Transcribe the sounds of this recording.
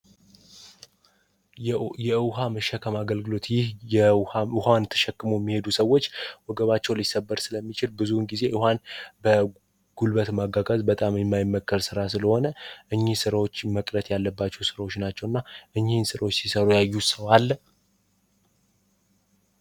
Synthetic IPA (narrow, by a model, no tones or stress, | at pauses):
jɛɨwɦaməʃːɛkʰəmaɡəlɡɨlo̞t̪jɪh | ɨhant̪ʰə̥ʃɛkːɨmojɛmːihe̞d̪usəwːo̞t͡ʃːwɔɡəβat͡ʃːɛwlisːəbːəɾsɨləmːit͡ʃɪlbɨzunɡize̞ʔɨhanbə | ɡ̥ulbət̪maɡaɡəzbət̪ʼamjɛmːajɪmːəkːəɾsɨɾasɨləho̞nəʔɨɲːihsɨɾawot͡ʃːməkʼɾət̪jalːəbːat͡ʃːɛwsɨɾawot͡ʃːnat͡ʃːɛwɨnːaʔɨɲːihnsɨɾawot͡ʃːsisəɾujajːusəwalː